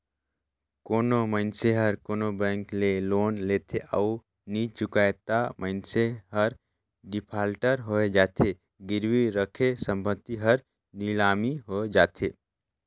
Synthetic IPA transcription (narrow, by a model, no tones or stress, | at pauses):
konoməɪnseɦəɾkonobɛ̃ŋklelonlet̪ʰeʔau | nit͡ʃukajt̪aməɪnseɦəɾ | ɖipʰalʈəɾɦoed͡ʒat̪ʰe | ɡiɾwiɾəkʰesəmpət̪ːiɦəɾ | nilamiɦod͡ʒat̪ʰe